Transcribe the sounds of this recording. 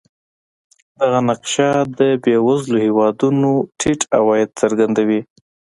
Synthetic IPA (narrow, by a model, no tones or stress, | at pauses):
d̪aɣanaqʃad̪əbewazlohɪwɑd̪unoʈʰiʈawɑjɪd̪̚səɾɡand̪awi